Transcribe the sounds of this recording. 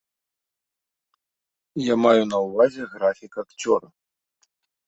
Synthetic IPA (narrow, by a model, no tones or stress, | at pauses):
jamajunɐwvazʲɛɣɾafʲikakt͡sʲɔ̰ɾɐ